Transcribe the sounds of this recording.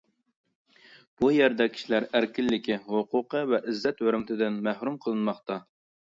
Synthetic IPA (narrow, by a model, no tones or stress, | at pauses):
b̥ujɛɾd̪ɛkʲʰi̥ʃilæɾæɾkʲɪlːɪkʲiwoqʰʊqəvɛʔɪzːɛt̪wøɾmɪt̪ʰɪd̪ɪnmæhɾumqʰəlˠɨnmɑχt̪ɑ